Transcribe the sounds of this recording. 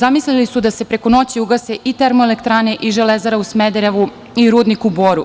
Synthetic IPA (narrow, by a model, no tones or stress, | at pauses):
zamislilisud̪ase̞pɾeko̞no̞t͡ɕiuɡase̞ʔit̪eɾmoelekt̪ɾaːneʔiʒelezaɾausmed̪eɾeʋu | iɾuːd̪nikuboːɾu